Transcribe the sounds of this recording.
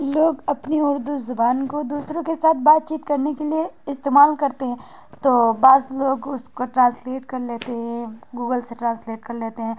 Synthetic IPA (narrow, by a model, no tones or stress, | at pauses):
loːɡɐpniʊɾd̪uzʊbaːnkod̪uːsɾõkesaːt̪̚ʰbaːt̪̚t͡ʃiːt̪kɐɾnekelieɪst̪eːmaːlkɐɾt̪eɦɛ̃ | t̪oːbaːzloːɡʊskoʈɾãːnsleːʈkɐɾleːt̪eɦɛ̃ɡuːɡəlseʈɾãːnsleːʈkɐɾleːt̪eɦɛ̃ː